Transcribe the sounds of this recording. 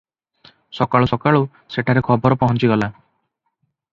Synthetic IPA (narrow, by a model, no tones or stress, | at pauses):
sɔkaɭusɔkaɭu | seʈʰaɾekʰɔbɔɾɔpɔɦɔnt͡ʃiɡɔla